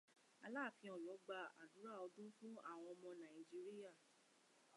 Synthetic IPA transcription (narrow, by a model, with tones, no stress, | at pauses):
a˧la˦˨fĩ˧ɔ˨lɔ˨˦ɡ͡ba˧a̰˨du˨˦ɾa˦˨ɔ˧dũ˦fũ˦a˦˨w̃ɔ̃˧ɔ˧mɔ̃˧nã˨i˨d͡ʒi˦ɾi˦ja˦˨